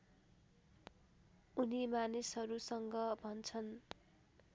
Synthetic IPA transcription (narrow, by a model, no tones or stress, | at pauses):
unimanisɦʌɾusʌŋɡʌbʱʌnt͡sʰʌn